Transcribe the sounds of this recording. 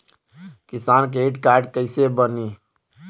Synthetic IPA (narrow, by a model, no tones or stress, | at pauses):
kisank̬eʈkaɾɖkəɪsebəni